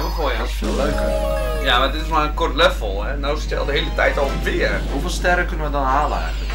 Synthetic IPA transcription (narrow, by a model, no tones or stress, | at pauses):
ʋəxoːjdɔsfɪːlˠløːkər | jamadɪtɪsmarənkɔrtlɛfl̩ˠhɛnoːsɪtjəɔ̰lˠdəɦeːlˠətɛjtɔlˠfɪərhufɪːlˠstɛrəkønənʋədɔnaːla̰ːxə